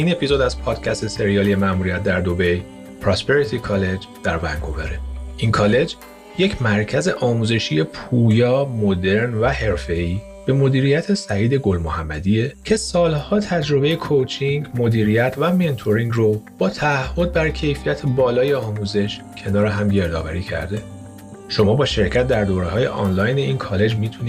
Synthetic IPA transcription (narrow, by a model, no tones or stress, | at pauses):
ine̞pʰizo̞d̪æzpʰɒːd̪̥cʰæst̪e̞se̞ɾijɒːlije̞mæmuːɾijæt̪̚d̪æɾd̪o̞be̞j | pʰɾospeɾit̪ʰikʰɒle̞d͡ʒd̪̥æɾvæ̰ŋɡo̞veɾeinkʰɒːle̞d͡ʒ | jecʰmæɾcʰæze̞ʔɒːmuːze̞ʃije̞pʰuːjɒːmod̪e̞ɾnvæhe̞ɾfe̞iː | b̥e̞mo̞d̪iːɾijæt̪ʰe̞sæiːd̪e̞ɡo̞lmohæmːæd̪ije̞cʰe̞sɒːlhɒːt̪ʰæd͡ʒɾo̞be̞jekʰot͡ʃʰiŋɡmo̞d̪iːɾijæt̪ʰvæme̞nt̪ʰoɾiŋɡrob̥ɒːt̪ʰæːhːo̞d̪̚bæɾcʰe̞jfijæt̪ʰebɒːlɒːje̞ɒːmuːze̞ʃ | cʰe̞nɒːɾeɦæmɟe̞ɾd̪ɒ̰ːvæɾiːcʰæ̰ɾd̪e̞ | ʃo̞mɒːbɒːʃe̞ɾcʰæt̪̚ʰd̪æɾd̪oːɾeɦɒːjḛʔɒ̰ːnlɒjne̞inkʰɒːle̞d͡ʒmit̪ʰuniː